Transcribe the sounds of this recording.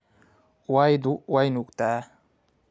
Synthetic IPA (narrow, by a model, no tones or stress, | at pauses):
wajd̪uwajnukt̪a